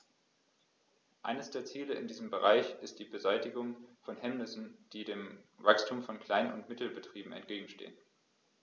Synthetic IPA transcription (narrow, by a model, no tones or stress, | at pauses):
ʔa̰ɪnəsd̥eːɐt͡siːləɪ̰ndiːzəm̩bəʁa̰ɪçɪstd̥iːbəzaɪtɪɡʊŋfɔnɦɛmnɪsn̩d̥iːdeːmvakstʰuːmfɔnkʰl̥aɪnʊ̰ntmɪtl̩bətʁ̥iːbm̩ɛ̰ntɡ̥eːɡŋ̩ʃtḛːən